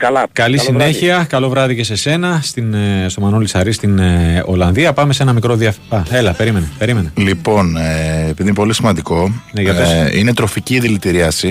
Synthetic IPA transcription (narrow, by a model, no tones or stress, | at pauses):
kɐlisineçiɐkɐlo̞vɾɐðice̞se̞se̞nɐst̪inst̪o̞mɐnolisɐɾist̪ino̞̰lɐnðiɐpɐme̞se̞nɐmikɾo̞ðiɐfɐe̞lɐpe̞ɾime̞nepe̞ɾime̞nelipo̞neːpiðinepolisimɐnd̪iko̞neʝɐfesine̞t̪ɾo̞ficiːðilit̪iɾiɐsi